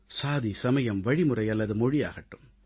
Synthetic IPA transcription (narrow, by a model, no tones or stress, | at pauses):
saːðisɐmɐjɐmʋɐɻimɯrɐɪɐlːɐðɯmɔɻija̰ːɣɐʈːɯm